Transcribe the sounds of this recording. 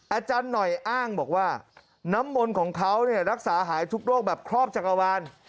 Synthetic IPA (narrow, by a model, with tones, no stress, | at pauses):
ʔaː˧t͡ɕaː˧nːɔ˨˩jʔaː˥˩ŋbɔː˨˩k̚waː˥˩ | na˦˥mːo˧nkʰɔː˩˦ŋkʰa˦˥wni˥˩ɐɾa˦˥k̚saː˩˦ɦaː˩˦jt̪ʰu˦˥k̚ɾoː˥˩k̚bɛː˨˩p̚kʰɾɔː˥˩p̚t͡ɕʰa˨˩ka˧waː˧n